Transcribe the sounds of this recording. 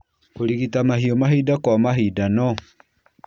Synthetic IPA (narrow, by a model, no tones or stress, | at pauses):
koɾiɣitamaɦiɔmaɦidakwamaɦidanɔ